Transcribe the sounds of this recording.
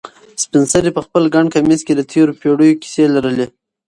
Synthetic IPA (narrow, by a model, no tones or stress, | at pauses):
spɪnsaɾipəxpəlɡaɳɖkamisked̪ət̪ʰeɾopeɽəjoki̥selaɾəle